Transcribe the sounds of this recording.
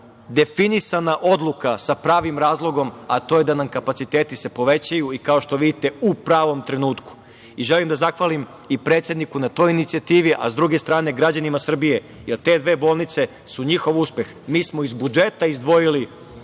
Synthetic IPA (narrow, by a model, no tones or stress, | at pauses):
d̪e̞finisanaʔo̞d̪lˠukasapɾaːʋimɾaːzlˠo̞ɡo̞mat̪o̞je̞d̪anamkapat̪sit̪eːt̪ise̞po̞ʋe̞t͡ɕajuikao̞ʃt̪o̞ʋid̪it̪e̞upɾaːʋo̞mt̪ɾe̞nuːt̪ku̥ | iʒelimd̪azaxʋalim | ipɾet̪sje̞d̪nikunat̪o̞ːjinit̪siat̪iːʋiʔa̰zd̪ɾuɡe̞st̪ɾaːne̞ɡɾad͡ʑanimasr̩bije̞ | jelt̪e̞d̪ʋe̞ːbo̞ːlˠnit̪se̞ | suɲixo̞ʋuspe̞x | miːsmoizbud͡ʒe̞t̪aizd̪ʋo̞jili